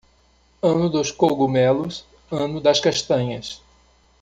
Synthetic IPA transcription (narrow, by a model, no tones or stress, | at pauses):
ɐ̃nʊd̪ʊskowɡumɛlʊs | ɐ̃nʊd̪ɐskaʃt̪ɐ̃ɲɐs